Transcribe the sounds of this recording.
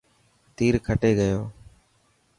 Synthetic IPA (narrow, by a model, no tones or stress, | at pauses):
t̪iːɾkʰəʈeːɡəjoː